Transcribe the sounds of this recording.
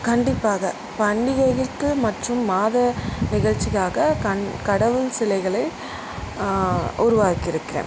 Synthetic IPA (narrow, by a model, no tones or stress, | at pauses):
kɐɳɖɪpːaːɣɐ | pɐɳːɪɣɐɣɪt̪ːɯmɐʈrɯmːaːðɐnɪɣɐɻt͡ʃːɪɣaːɣɐkɐkɐɽɐʋɯɭsɪlɐɪɣɐɭɐɪ | ʔʊɾʊʋaːkːɪɾɯkːɪɾḛː